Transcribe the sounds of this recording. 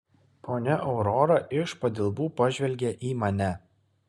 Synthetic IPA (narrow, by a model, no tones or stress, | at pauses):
poːnʲɛʔɒʊɾɔɾɐʔɪʃpɐd̪ʲɪlˠbuːpɐʒʲʋʲɛlʲɡʲɛʔiːmɐnʲɛ